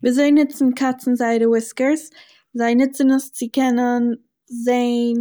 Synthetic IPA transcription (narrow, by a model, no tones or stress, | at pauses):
viːzoɪnɪt͡sn̩kʰat͡sn̩zaɪɾəwɪskəɾs | zaɪnɪt͡sənʊst͡sɪkɛnən | zeɪn